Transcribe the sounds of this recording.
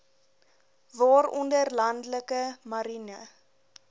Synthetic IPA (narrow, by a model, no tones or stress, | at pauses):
vɑːɾɔndərlɐndləkəmɐɾinə